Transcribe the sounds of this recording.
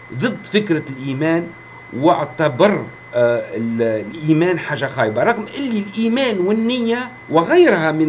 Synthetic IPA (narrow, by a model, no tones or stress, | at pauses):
ðˤɨd̪ːfɪkɾalʔiːmæːn | wɪʕt̪abɑɾˤ | llʔiːmæːnħaːʒːaxaːjbaɾˤɑɣmʔɪlːilʔiːmæːnwɪnːɪjːa | wɪɣajːɾhæmɪ